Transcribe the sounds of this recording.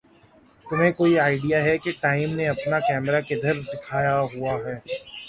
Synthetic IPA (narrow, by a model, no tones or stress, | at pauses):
t̪ʊmɦẽkoːiaːɪɖijaɦɛkeʈaːɪmneɐpnakɛːmɾaked̪ʱɐɾd̪ɪkʰaːjaɦuaɦɛː